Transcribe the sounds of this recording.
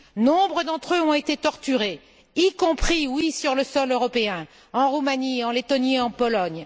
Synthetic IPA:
nɔ̃bʁəd̪ɑ̃t̪χøɔ̃et̪et̪ɔʁt̪yʁe | ikɔ̃pχiwisyʁləsɔløʁɔpeɛ̃ | ɑ̃ʁumaniɑ̃let̪ɔnieɑ̃pɔlɔɲ

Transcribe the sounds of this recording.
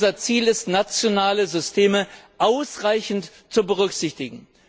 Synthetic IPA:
zɐt͡siːlɪstnat͡sjonaːləzʏstʰeːməʔaʊsʁaɪçn̩t | t͡subəʁ̞ʏkz̥ɪçtɪɡŋ̩

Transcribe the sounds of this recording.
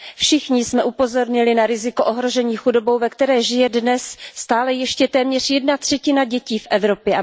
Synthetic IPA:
fʃɪxɲɪsmɛʔupo̞zo̞ɾɲɪlɪnaɾɪzɪkoʔoɦɾo̞ʒɛɲiːxudo̞bo̞wvɛkt̪ɛɾɛːʒɪjɛdnɛsst̪aːlɛjɛʃcɛt̪ɛːmɲɛr̝jɛdnat̪r̥ɛcɪnaɟɛciːfʔɛvɾo̞pjɛ

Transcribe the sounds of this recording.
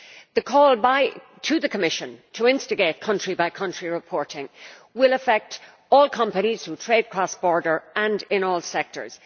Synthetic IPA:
ðəkʰɔːlˠbaɪ | tʰəðəkʰəmɪʃə̃ntʰəɪ̃nstɨɡeɪt̚kʰʌ̃nt͡ʃɹ̥ibaɪkʰʌ̃nt͡ʃɹ̥iɹɪpʰɔɹɾɪ̃ŋ | wɪləfɛk̚t | ɔːlˠkʰʌ̃mpəñiz̥θutʰɹ̥eɪd̚kʰɹ̥ɔsb̥ɔːɹdə˞ə̃nɪ̃nɔːlˠsɛk̚tə̰˞z̥

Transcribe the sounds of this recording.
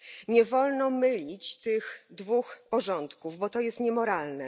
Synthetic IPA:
ɲɛvɔlnɔmɘlʲit͡ɕt̪ɘxd̪vuxpɔʐɔnt̪kuvbɔt̪ɔjɛst̪ɲɛmɔɾalnɛ

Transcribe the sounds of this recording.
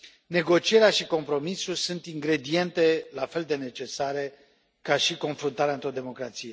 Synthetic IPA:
ne̞ɡo̞t͡ʃieɾeaʃiko̞mpɾo̞misulsunt̪iŋɡɾe̞d̪ie̞nt̪e̞lafe̞ld̪e̞ne̞t͡ʃe̞saɾe̞ | kaʃiko̞nfɾunt̪aɾeaɨnt̪ɾo̞d̪e̞mo̞kɾat̪sije̞

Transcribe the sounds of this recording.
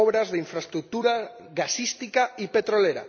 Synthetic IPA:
ɔβɾazðiɱfɾast̪ɾuk̚t̪uɾa | ɣasist̪ikaipet̪ɾoleɾa̰

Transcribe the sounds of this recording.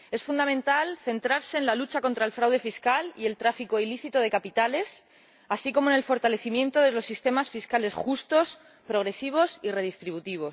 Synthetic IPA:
e̞sfund̪amẽnt̪alθe̞nt̪ɾaɾse̞ːnlalut͡ʃako̞nt̪ɾaelfɾawðe̞fiskalie̞lt̪ɾafiko̞iliθit̪oðe̞kapit̪ale̞s | asiko̞mone̞lfo̞ɾt̪ale̞θimjẽ̞nt̪o̞ðe̞lo̞sːist̪e̞masfiskale̞sxust̪o̞s | pɾo̞ɣɾe̞siβ̞o̞sire̞ðist̪ɾiβut̪iβ̞o̞s

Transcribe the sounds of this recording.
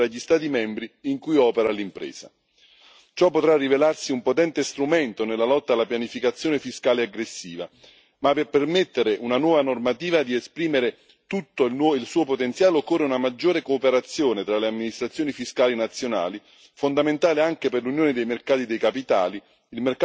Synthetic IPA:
ɾaʎːist̪aːt̪imɛmbɾiiŋkujɔːpeɾalimpɾḛːsa | t͡ʃɔpːot̪ɾarːivelarsiumpot̪ɛnt̪est̪ɾumɛnt̪onelːalɔt̪ːalːapjanifikat̪sːjoːnefiskaːleaɡɾesːiːva | mapepermet̪ːeɾeʔunanwɔːvanormat̪iːvad̪iespɾiːmeɾe | t̪ut̪ːonilsuːopot̪ent̪sjaːlokːorːeunamad͡ʒːoːɾekoːpeɾat̪sːjoːnet̪ɾaleamːinist̪ɾat̪sːjoːnifiskaːlinat̪sːjona̰ːli | fond̪ament̪aːleaŋk̟eperlunjoːned̪ejmerkaːt̪id̪ejkapit̪aːli | ilmerk

